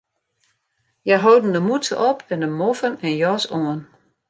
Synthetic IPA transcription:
jaɦowdn̩dəmutt͡sə̰ʔɔpʰɛndəmofənɛnjɔsoən

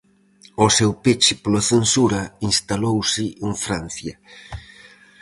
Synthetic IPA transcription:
osewpet͡ʃɪpolaθensuɾainst̪alowsɪʔeɱfɾan̟θjɐ

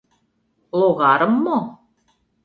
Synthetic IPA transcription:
lˠoɣɑɾəmːo

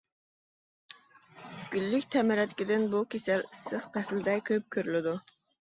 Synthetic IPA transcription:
ɡ̥ʲylːykʲt̪ʰɛmɪɾɛt̪kʲid̪ɪnbukʲʰesælsəχpʰɛslɪd̪ɛkʲʰøp̚kʲʰøɾylɪd̪u

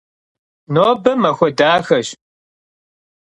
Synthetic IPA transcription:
noːbɐmɐxʷɔdaːxɐɕ

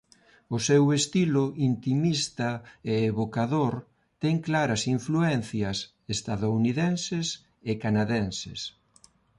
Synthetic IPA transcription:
ʊsewest̪ilʊʔint̪imist̪ɐeːβokaðoɾ | t̪ɛŋklaɾɐsiɱfluɛnθjɐs | est̪aðouniðɛnses | ɪkanaðɛnsḛs

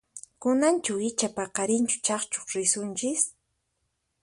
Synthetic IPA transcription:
kʊnant͡ʃʊɪt͡ʃapɑqɑɾɪnt͡ʃʊ̥t͡ʃɑχt͡ʃoχɾɪsʊnt͡ʃɪs

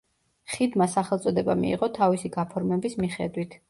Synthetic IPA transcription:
χid̪masaχɛlˠt̪sʼɔd̪ɛbamḭḭʁɔt̪ʰavisiɡapʰɔɾmɛbismiχɛ̰d̪wit̪ʰ

